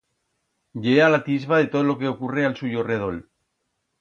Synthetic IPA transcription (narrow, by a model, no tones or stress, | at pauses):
ʝealat̪izβaðet̪oðolokeokurealsujoreð̞ol